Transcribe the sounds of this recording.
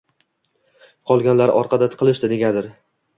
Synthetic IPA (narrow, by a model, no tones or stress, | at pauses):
qʰɒlˠɡʲanlaɾɒ̰ɾqʰɑd̪at̪qʰɨlˠɪʃd̪ɪd̪e̞ɡʲad̪ɪɾ